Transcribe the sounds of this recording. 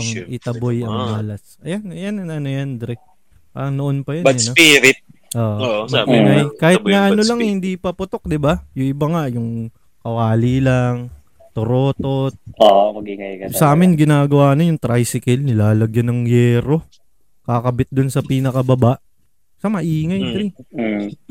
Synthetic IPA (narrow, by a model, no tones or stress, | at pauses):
ɐŋʔɪt̪ɐbojɐŋmaːlɐsʔɐjanjanɐnojɐnd̪ɾɛ | ka̰ɐnoʔonpɐjɐnɐɐnopiːɾɪt̪̚ | ʔoːʔomɐɡiŋajkaːhɪt̪̚nɐʔɐnolɐŋhɪnd̪ipɐpʊt̪ok̚d̪ɪbajʊŋɪbaŋaʔjʊŋ | kɐwaːlilaŋ | t̪oɾoːt̪ot̪̚omɐɡiŋɐjkɐsɐʔaːmɪnɡɪnaːɡɐwaːnɐjʊŋt̪ɾajsɪkɛlnɪlaːlɐɡjɐnɐŋjɛːɾo̞ | kakɐbɪt̪̚d̪ʊnsɐpiːnɐkɐbɐbaʔ | sɐmɐʔiːŋɐjd̪ɾi